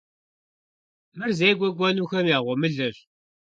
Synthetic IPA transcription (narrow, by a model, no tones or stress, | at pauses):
məɾzæjɡʷæɡʷænuçæmiʁʊməɮəʃ